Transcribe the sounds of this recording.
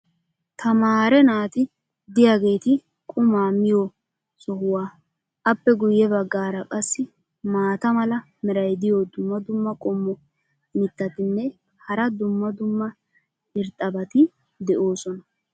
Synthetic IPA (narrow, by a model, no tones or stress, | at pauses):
t̪ʰɐmaːɾɛnaːt̪ɪ | d̪ɪjaɡe̞ːt̪ɪ | kʼʊmaːmɪjo | sɔhʊwaː | ʔɐpːɛɡʊjːɛbɐɡːaːɾɐkʼɐsːɪ | maːt̪ɐmɐlɐ | mɪɾɐjd̪ɪjod̪ʊmːɐd̪ʊmːɐkʼɔmːɔ | mɪt̪ːɐt̪ɪnːɛ | hɐɾɐd̪ʊmːɐd̪ʊmːɐ | ɪɾt̪ʼːɐbɐt̪ɪ | d̪ɛʔo̞ːsɔnɐ